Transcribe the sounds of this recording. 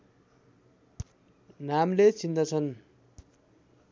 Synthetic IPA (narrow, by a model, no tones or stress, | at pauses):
namlet͡sind̪ʌt͡sʰʌn